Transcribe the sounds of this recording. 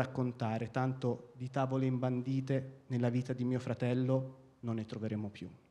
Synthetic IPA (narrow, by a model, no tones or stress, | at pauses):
akːont̪aːɾet̪ant̪od̪it̪aːvoleimband̪iːt̪enelːaviːt̪ad̪imiːofɾat̪ɛlːo | nonːet̪ɾoveɾeːmopju